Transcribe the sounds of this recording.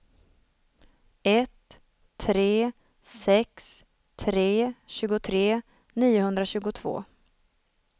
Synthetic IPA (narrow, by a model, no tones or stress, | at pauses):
ɛt̪ʰː | ɾeː | sɛks | t̪ʰɾeːɕʉ̟ːɡʊt̪ʰɾeː | niːʊhɵnd̪ɾaɕʉ̟ːɡʊt̪ʰv̥o̰ː